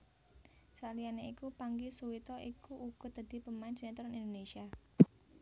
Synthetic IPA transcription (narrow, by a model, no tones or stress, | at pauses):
salijaneikupaŋɡisuwit̪ɔʔikuʔuɡ̥ɔ̤d̪̥a̤d̪̥i̤pəmand͡ʒənet̪uɾɔnind̪onesia